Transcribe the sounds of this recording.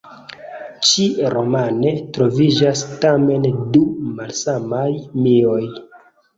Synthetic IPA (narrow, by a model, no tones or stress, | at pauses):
t͡ʃiɾʔo̞mane̞tɾo̞vid͡ʒastame̞ndumalsamajmio̞j